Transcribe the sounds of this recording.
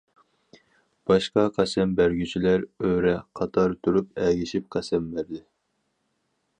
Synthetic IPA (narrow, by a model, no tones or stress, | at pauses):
b̥ɑʃqɑqʰæsɛmbæɾɡʲyt͡ʃʰilæɾøɾɛqʰɑt̪ʰɑɾt̪ʰuɾupɛɡʲiʃip̚qʰæsɛmbæɾd̪ɪ